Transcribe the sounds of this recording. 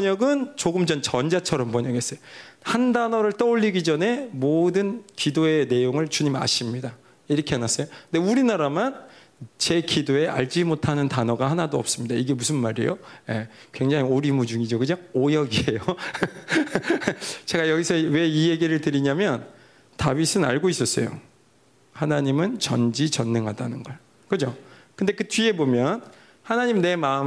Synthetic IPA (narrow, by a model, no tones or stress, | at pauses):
pʌɲʌɡɯnt͡ɕoɡɯmd͡ʑʌnt͡ɕʌnd͡ʑat͡ɕʰʌɾʌmpʌɲʌɡes͈ʌjohandanʌɾɯɭt͈ʌoʎːiɡid͡ʑʌne̞modɯnkidoe̞ne̞joŋɯɭt͡ɕuɲima̰ɕʰimɲida | iɾʌkʰeanas͈ʌjonde̞uɾinaɾaman | t͡ɕe̞kidoe̞ʔa̰ɭd͡ʑimotʰanɯntanʌɡahanadoʌp̚s͈ɯmɲidaiɡe̞musʰɯnmaɾḛjoje̞ | kwe̞ŋd͡ʑaŋioɾimud͡ʑuŋid͡ʑokɯɲaŋojʌɡie̞jo | t͡ɕeɡajʌɡisʰʌwe̞ije̞ɡiɾɯɭtɯɾiɲamjʌn | tawisʰɯna̰ɭɡois͈ʌs͈ʌjo̰ | hanaɲimɯnt͡ɕʌnd͡ʑit͡ɕʌnːeŋɦadanɯnɡʌɭ | kɯd͡ʑokɯnde̞kɯtɥie̞bomjʌn | hanaɲimne̞maɯm